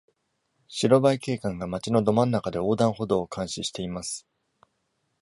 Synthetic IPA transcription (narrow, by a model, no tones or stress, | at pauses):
ɕiɾo̞baike̞ːkãŋɡamat͡ɕino̞d̪o̞mãnːakad̪e̞o̞ːd̪ãɰ̃ho̞d̪o̞ːkʰãɰ̃ɕiɕi̥t̪e̞imasɨ̥